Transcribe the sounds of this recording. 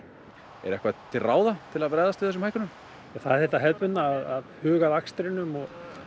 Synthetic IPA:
ɛ̰ɾɛ̰hkvat̪ʰɪlraːwðat̪ʰɪlaðpɾɛjðast̪ɪθɛs̬ʏmhajkʏnʏm | aθaðɛɾ̥θɛht̪aɦɛlt̪ʏt̪naːðaðhʏːɣaðakst̪ɾɪnʏmɔɣ

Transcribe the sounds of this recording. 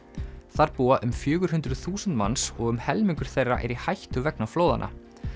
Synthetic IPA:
θaɾpuːaʔʏmfjʏːɣʏɾ̥hʏnt̪ɾʏðθuːsʏnt̪ma̰nsɔɣʏmhɛlmiŋkʏɾ̥θejrːa̰ʔɛ̰ɾihajht̪ʏvɛknafloːwða̰nʔa̰

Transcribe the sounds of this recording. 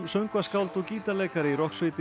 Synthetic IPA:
msœɥŋkvaskawlt̪ɔɣciːt̪alɛːjkaɾɪiɾɔhksvɪt̪ɪ

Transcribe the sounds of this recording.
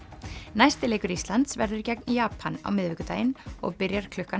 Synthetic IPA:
najst̪ɪleːjkʏɾist̪lant̪svɛɾðʏɾ̥cɛk̚njaːpʰana̰wmɪðvɪːkʏt̪aːjɪnɔ̰ɣpɪɾjaɾ̥kʰlʏhka

